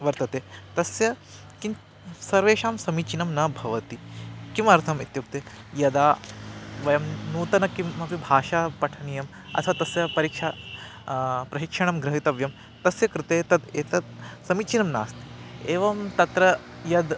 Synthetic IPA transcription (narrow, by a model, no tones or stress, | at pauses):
ʋɐɾt̪ɐt̪eːt̪ɐsjɐ | kin | sɐɾʋeːʃaːmsɐmit͡ʃinɐmnɐbʱɐʋɐt̪ikimɐɾt̪ʰɐmit̪juk̚t̪eː | jɐd̪aː | ʋɐjɐmnuːt̪ɐnɐkimːɐpibʱaːʃapɐʈʰɐnijɐm | ɐ̰t̪ʰɐt̪ɐsjɐpɐɾiːkʂa | pɾɐɕikʂɐɳɐmɡɾɐɦit̪ɐʋjɐm | t̪ɐsjɐkɾɪt̪eːt̪ɐt̪eːt̪ɐt̪̚sɐmit͡ʃinɐmna̰ːst̪i̥eːʋɐmt̪ɐt̪ɾɐ | jɐd̪